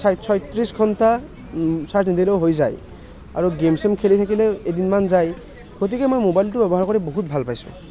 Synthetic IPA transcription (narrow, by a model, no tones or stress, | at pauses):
sajsʰɔjt̪ɹisɡʱɔnta | satʰnidilewɦojza̰j | a̰ɹuɡemsemkʰelit̪ʰakilɛedinmanzaj | ɡot̬ikɛmojmobajltʊbɛbɔɦaɹkɔɹɛboɦut̚bʱalpajsʊ̰